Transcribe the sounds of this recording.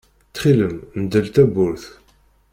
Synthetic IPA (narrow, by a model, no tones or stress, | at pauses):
t̪χiləmnd̪əlt̪æbʊɾθ